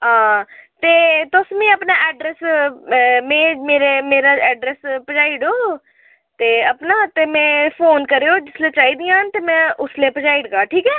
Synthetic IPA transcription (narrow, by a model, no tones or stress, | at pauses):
ɦãːt̪eːt̪ʊsmĩːəpnaːʔɛːɖɾɛːs | mẽːmeːɾeːmeːɾaːɛːɖɾɛːspəd͡ʒaːɪɖoː | t̪eːəpnaːt̪eːmɛ̃ːpʰoːnkəɾeːoːd͡ʒɪsleːt͡ʃaːiːd̪ijãːənt̪eːmɛ̃ːʊsleːpəd͡ʒaːɪɖɡaːʈʰiːkɛː